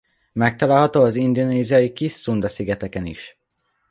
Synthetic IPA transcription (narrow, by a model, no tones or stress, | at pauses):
mɛk̚t̪ɒlaːlɦɒt̪oːɒzind̪oneːzijɒjikisːund̪ɒsiɡɛt̪ɛkɛnḭʃ